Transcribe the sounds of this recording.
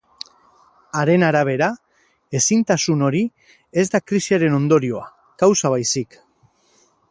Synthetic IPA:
aɾe̞naɾaβ̞e̞ɾa | e̞sint̪asuno̞ɾi | e̞zd̪akɾisiaɾe̞no̞nd̪o̞ɾio̞a | kawsaβ̞ajsik

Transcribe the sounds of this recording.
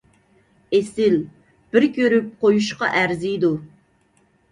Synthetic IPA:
esɪl | b̥ɪɾkʲʰøɾyp̚qʰojuʃqɑ̰ʔæɾzɪd̪u

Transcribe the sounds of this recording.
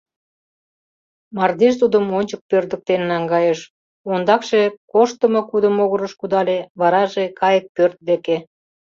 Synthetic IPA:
mɑrd̪eʃt̪ud̪əmonʲt͡ɕək̚pørd̪ə̆k̚t̪enːɑŋɡɑjəʃ | ond̪ɑkʃekoʃt̪əmokud̪əmoɣə̆ɾəʃkud̪ɑleβɑɾɑʒekɑjək̚pørt̪̚d̪eke

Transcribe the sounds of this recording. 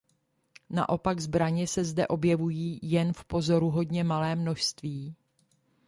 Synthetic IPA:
na̰ʔo̞paɡzbɾaɲɛsɛzdɛ̰ʔo̞bjɛvujiːjɛnfpo̞zo̞ɾuɦo̞dɲɛmalɛːmno̞ʃst̪viː

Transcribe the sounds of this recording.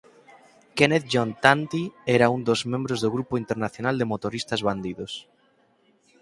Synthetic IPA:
kenet̪ʝont̪ant̪ieɾaund̪ozmẽmbɾozðoɣɾupoint̪eɾnaθjonald̪emot̪oɾist̪azβand̪iðos

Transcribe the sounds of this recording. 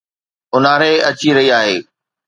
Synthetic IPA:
ʊnaːɾeɐt͡ɕiɾɐɦiaːɦeː

